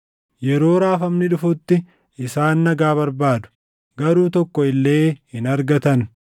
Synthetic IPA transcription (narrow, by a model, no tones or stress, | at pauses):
jɛɾo̞ːɾaːfɐmnɪᶑʊfʊt̪ːɪ | ɪsaːnːɐɡaːβɐɾbaːd̪ʊ̥ | ɡɐɾuːt̪ɔkːɔɪlːe̞ːhɪnɐɾɡɐt̪ɐn